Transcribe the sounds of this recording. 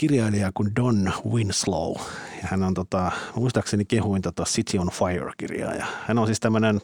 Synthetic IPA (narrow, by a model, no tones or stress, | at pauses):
kirjɑiliɑkundonwinslo̰ujɑhænont̪ot̪ɑmuist̪ɑksenikehuint̪ot̪ɑsit̪ʰionfɑjo̰rkḭrjɑ̰ːjɑ̰hænonsiːst̪æmːønen